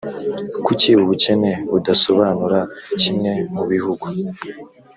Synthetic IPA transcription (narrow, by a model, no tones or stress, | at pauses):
kuciβuβuce̞ne̞βudaso̞βaːnuɾacimŋe̞muβihuɡu